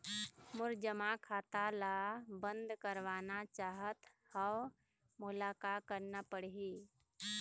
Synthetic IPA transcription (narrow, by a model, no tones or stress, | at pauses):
mʊɾd͡ʒəmãkʰaːt̪alaːbə̃nd̪kəɾʋaːnat͡ʃaːɦət̪ | həw | mʊlaːkakəɾnapəɽɦiː